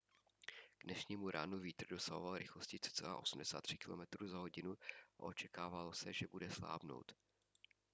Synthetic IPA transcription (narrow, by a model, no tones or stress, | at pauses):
ɡ̥dnɛʃɲiːmuɾaːnuviːt̪r̩do̞saɦo̞valɾɪxlo̞scɪtsɪ̥t͡sɛla̰ːʔo̞sum̩dɛsaːt̪ːr̥ɪ̥kɪlo̞̰mɛt̪ɾuːzaɦo̞ɟɪnuʔa̰ʔo̞t͡ʃɛkaːvalo̞sɛʒɛbudɛsla̰ːbno̞̰wt̪